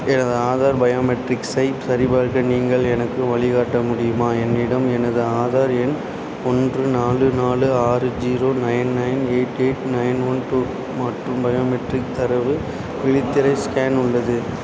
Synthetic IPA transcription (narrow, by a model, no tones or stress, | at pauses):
ɛnɐðɯaːðaːɾbɐjoːmɛʈrɪksɐɪpsɐɾɪbaːɾɣɐniːŋɡɐɭɛnɐkːɯʋɐɭɪɣaːʈːɐmʊɽɪjɯmaːɛnːɪɽɐmɛnɐðɯaːðaːɾɛn | ɔndrɯnaːlɯnaːlɯaːɾɯd͡ʒiːɾoːnɐɪnnɐɪneːʈːeːʈnɐɪnɔnt̪u | mɐʈrɯmbɐjoːmɛʈrɪk̚t̪ɐɾɐʋɯ | ʋɪɭɪt̪ːɪɾɐɪskaːnʊɭːɐðɯ